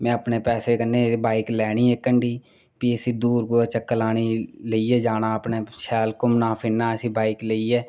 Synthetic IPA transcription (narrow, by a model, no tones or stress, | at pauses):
mɛ̃ːəpneːpɛːseːkənːeːbaːiklɛːɳiːɛːkːəɳɖiː | piəsĩːd̪uːɾkoːat͡ʃəkːəlaːniːləiːɛːd͡ʒaːnaːəpneːʃɛːlkʊmnãːpʰɪnːaːəsĩːbaːikləiːɛː